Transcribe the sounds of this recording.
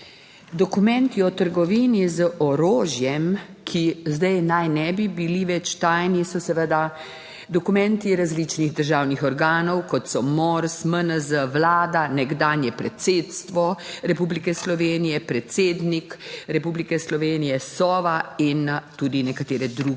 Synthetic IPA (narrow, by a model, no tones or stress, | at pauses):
d̪ɔkumɛ̃nt̪iɔt̪əɾɡɔʋiːnizəʔɔɾoːʒjɛmkʰizd̪ɛjnajnɛbibiliʋɛt͡ʃt̪ajnisɔsɛʋəd̪a | d̪ɔkumɛ̃nt̪iɾazlit͡ʃniɣd̪əɾʒawnixɔɾɡaːnɔwkɔt̪sɔmɔɾsmənəzəʋlaːd̪anɛɡd̪aːnjɛpɾɛt̪seːt̪st̪ʋɔɾɛpublikɛslɔʋeːnijɛpɾɛt̪seːd̪nikɾɛpublikɛslɔʋeːnijɛsɔːʋaint̪ud̪inɛkat̪eːɾɛd̪ɾuːɡ